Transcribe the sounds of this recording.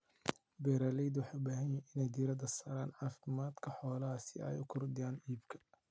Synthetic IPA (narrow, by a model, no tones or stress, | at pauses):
bɛːɾaːlɛjd̪wɑħɑːʊbaːɦɐnjɐʔɪnɛjd̪iːɾɐd̪ɐsaːɾaːnʕɑːfɪmaːd̪kʰɐħɔːlɐɦɐsɪ̰ɛ̰jʊkʰʊrd̪ɪjaːniːbkʰɐ̥